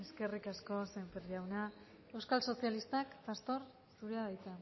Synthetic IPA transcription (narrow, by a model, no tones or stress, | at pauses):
eske̞rikasko̞sempeɾʎawna | e̞wskalso̞sialist̪akfast̪o̞ɾ | suɾeaðajt̪a